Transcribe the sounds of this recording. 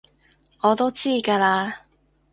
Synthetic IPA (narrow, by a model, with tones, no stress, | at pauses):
ɔː˨˧t̪o˥wt͡siː˥˩kaː˧laː˧